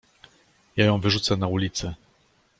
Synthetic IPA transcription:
jajɔ̃w̃vɘʐut̪sɛnaulʲit̪sɘ

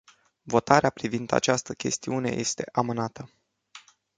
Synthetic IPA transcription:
vo̞t̪aɾeapɾivind̪a̰t͡ʃast̪əkʲʰe̞st̪iune̞̰je̞̰st̪e̞ʔamɨnat̪ə

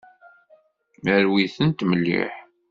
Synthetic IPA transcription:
mæɾwiθənt̪məlːḭħ

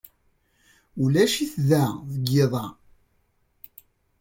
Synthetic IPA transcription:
ulæʃiθðæðəɡːeðˤɑ

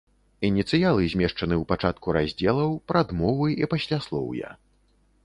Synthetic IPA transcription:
inʲit̪sɨjalˠɨzʲmʲɛʂt͡ʂɐnɨwpat͡ʂat̪̚kuɾazʲd͡zʲɛlˠɐwpɾad̪mɔvɨipasʲlʲaslˠɔ̰wja̰

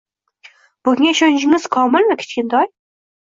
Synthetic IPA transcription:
b̥ʊɡʲŋʲaɪʃɒnɪd͡ʒɪŋɪz̥kʰɒmɪlnɪkʲʰe̥t͡ʃkʲɪnd̪ɒj

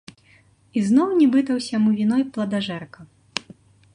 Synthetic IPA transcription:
iznɔwnʲibɨt̪ɐwsʲamuvʲinɔjplˠɐd̪aʐɛrkɐ

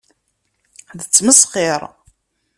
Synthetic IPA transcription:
ðət͡sːməsˤχɪɾˤ

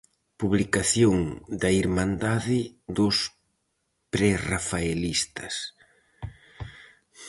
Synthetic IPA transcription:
puβlikaθjoŋd̪ɐiɾmãnd̪aðɪd̪ʊs | pɾɛrafaelist̪ɐs

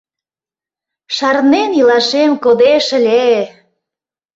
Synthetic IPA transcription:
ʃɑrnenilɑʃemkod̪eʃə̆lʲe

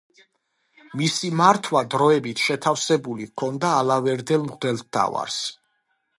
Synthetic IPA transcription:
misimaɾt̪ʰwad̪ɾɔɛbit̪ʰʃɛt̪ʰafsɛbulikʰɔnd̪aːlavɛɾd̪ɛlˠmʁd̪ɛlˠt̪̚t̪ʰa̰va̰ɾs

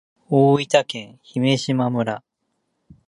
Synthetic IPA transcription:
oːit̪akẽ̞ɰ̃çime̞ɕimamɯ̟ɾa

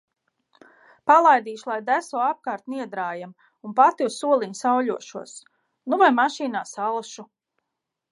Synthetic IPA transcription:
palˠajd̪iːʃulˠajd̪æsɔːap̚kaːɾt̪niɛd̪ɾaːjam | unpat̪iusːuɔlˠiɲsawʎuɔʃuɔs | nuvajmaʃiːnaːsalˠʃu

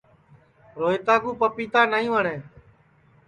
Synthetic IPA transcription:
ɾoːiːt̪aːɡuːpəpiːt̪aːnəĩːʋəɳẽː

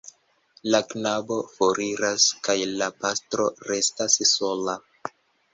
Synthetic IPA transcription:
laknabo̞foɾiɾaskajlapastɾo̞ɾe̞stasso̞la

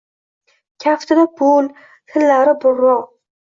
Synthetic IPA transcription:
kʲʰaft̪ʰɪd̪apʰʊl | t̪ʰɪllaɾɪbʊɾːɒ

